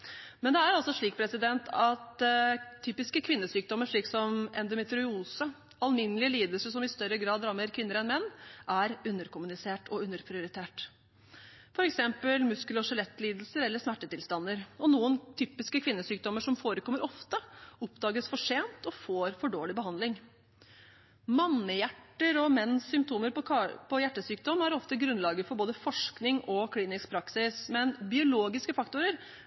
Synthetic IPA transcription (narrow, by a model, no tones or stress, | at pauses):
mɛnd̪ɛæɾɑlsɔʂɭiːk̚pʰɾɛsɪd̪ɛnt̪ʰɑt̪ʰː | yːpɪskəkʰʋɪnːəsyːk̚d̪ɔmːəʂɭiːksɔmɛ̰nd̪ɔmɛt̪ɾʊuːsə | ɑlmɪnːəlɪəliːd̪əlsəʂɔmɪst̪œɾːəɡɾɑːd̪ɾɑmːəɾkʰʋɪnːəɾɛnmɛnːʔæɾʉnːəɾkʊmʉnɪseːʈʰɔʉnːəɾpʰɾɪʊɾɪt̪ʰeːʈ | fɔɾɛksɛmpəlmʉskələɔʂɛlɛt̪ːliːd̪əl̩səɾɛlːəʂmæʈːət̪ɪlst̪ɑnːəɾɔnuːənt̪ʰyːpɪskəkʰʋɪnːəsyːk̚d̪ɔmːəʂɔmfoːɾəkʰɔmːəɾɔft̪əʊpd̪ɑːɡəsfɔʂeːnt̪ʰɔfoːɾfɔɖoːlɪbəɦɑnd̪lɪŋ | mɑnːəjæʈːəɾɔmɛnːsːʏmpt̪ʰuːməɾpʰɔjæʈːəsyːk̚d̪ɔmːæɾɔft̪əɡɾʉnlɑːɡəfɔɾboːd̪əfɔʂknɪŋɔkʰliːnɪskpʰɾɑksɪsmɛnbɪʊloːɡɪskəfɑkt̪ʊɾəɾ